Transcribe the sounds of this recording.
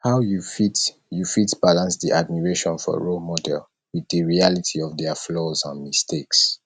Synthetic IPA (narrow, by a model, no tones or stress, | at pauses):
haʊjufit | jufitbalãnsdiʔad̚miɹeʃɔ̃nfɔ̰ɹomɔdɛ̰l | wiðəɹialitʰiɔvdɛflɔzãnmistʰeks